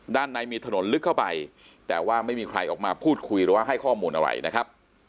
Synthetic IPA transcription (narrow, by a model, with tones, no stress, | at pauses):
daː˥˩nːa˨˦˥jmiː˧t̪ʰa˧no˩˦nlɯ˦˥kʰːa˥˩wpa˧j | t̪ɛː˨˩waː˥˩ma˥˩jmiː˧kʰɾa˧jʔɔ̰ː˨˩k̚maː˧pʰuː˥˩t̪̚kʰu˧jɾɯː˩˦waː˥˩ɦa˥˩jkʰɔː˥˩muː˧nʔa̰˧ɾa̰˧˩jna˦˥kʰɾa˦˥p̚